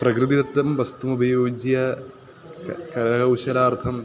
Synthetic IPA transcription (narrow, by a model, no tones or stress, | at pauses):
prɐkɾɨðiðɐt̪ːɐmʋɐst̪umubʱɐjoːd͡ʑijɐ | kɐɾɐɐkɐwɕɐlaːrt̪ʰɐm